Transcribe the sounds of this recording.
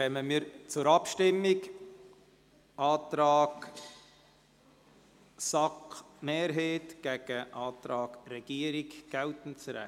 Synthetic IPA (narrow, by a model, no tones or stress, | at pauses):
kœməmiːɾt͡sʊɾɑpʃtɪmːɪk | ʔɑːt̪ɾɑːɡ | sɑk | meːɾɦeːtɡ̥æɡ̥əʔɑːt̪ɾɑːɡɾɛɡ̥iːəɾɪkɡ̥ɛltn̩t͡sɾɛ̰